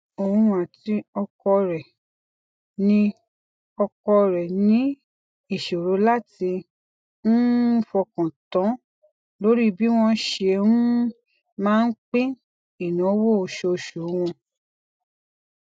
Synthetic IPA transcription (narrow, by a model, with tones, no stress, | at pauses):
o˨ũ˧a˨ti˧ɔ˧kɔ˧ɾɛ˨ | nĩ˧ | ɔ˧kɔ˧ɾɛ˨nĩ˦ | i˦˨ʃo˨ɾo˨˦la˦˨ti˧ | n̩˦fɔ˧kã˨tɔ̃˨˦ | lo˦ɾi˦˨bi˦w̃ɔ̃˧˦ʃe˧ũ˦ | mãː˦n̩˦k͡pĩ˦ | i˨nã˨˦wo˦o˨ʃo˧˨ʃu˨˦w̃ɔ̃˧